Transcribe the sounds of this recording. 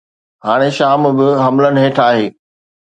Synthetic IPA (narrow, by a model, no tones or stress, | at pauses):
ɦaːɽ̃eʃaːmbɪɦɐmlənɪɦẽːʈʰaːɦeː